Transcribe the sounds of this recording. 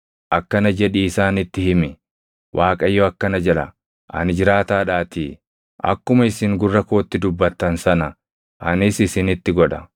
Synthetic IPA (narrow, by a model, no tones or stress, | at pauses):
ʔɐkːɐnɐd͡ʒɛᶑiɪsaːnɪt̪ːɪhɪmɪ | wʔaːkʼɐjːoɐkːɐnɐd͡ʒɛlɐ̰ | ʔɐ̰nɪd͡ʒɪɾaːt̪aːᶑaːt̪iː | ʔɐ̰kːʊmɐɪsɪŋɡʊrːɐko̞ːt̪ːɪd̪ʊbːɐt̪ːɐnsɐnɐ | ʔɐnɪsɪsɪnɪt̪ːɪɡɔᶑɐ